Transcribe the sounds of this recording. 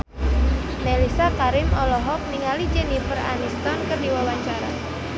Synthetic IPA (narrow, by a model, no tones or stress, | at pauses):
nelisakaɾɪmɔlɔɦɔk̚niŋalid͡ʒɛnifəra̰nist̪ɔnkɨrdiwawaɲt͡ʃaɾa̰